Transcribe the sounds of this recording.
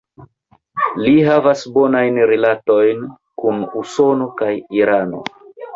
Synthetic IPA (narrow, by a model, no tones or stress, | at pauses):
liɦavasbo̞najnɾilato̞jn | kunuso̞no̞kajiɾano̞̰